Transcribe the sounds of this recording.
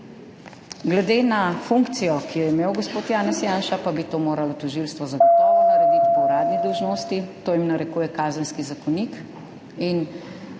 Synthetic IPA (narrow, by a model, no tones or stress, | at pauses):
ɡlɛd̪enafuŋkt̪sijɔkijɛimewɡospoːt̪jaːnɛsjaːnʃapabit̪oːmoːɾalɔt̪ɔʒilst̪ʋɔzɐɡɔt̪ɔʋɔnɐɾɛd̪it̪kɔɾaːd̪nid̪ɔwʒnoːst̪it̪oːjimnɐɾɛkuːjɛkaːzənskizakɔnik | in